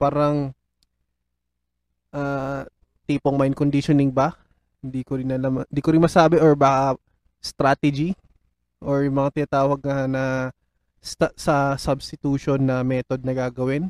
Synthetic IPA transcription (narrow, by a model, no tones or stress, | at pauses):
paːɾɐŋ | ʔa | t̪iːpoŋmajnkond̪iʃonɪŋbɐ | hɪnd̪ikoɾɪnːɐlamnd̪iːkoɾɪnmɐsaːbɛʔoɹbaːkɐ | st̪ɾaːt̪ɛd͡ʒi | ʔoɹʊmɐŋat̪ɪnaːt̪aːwɐɡ̚ŋɐnɐ | st̪ɐsɐsɐbst̪ɪt̪uːʃonːɐmɛːt̪od̪̚nɐɡaːɡɐwɪn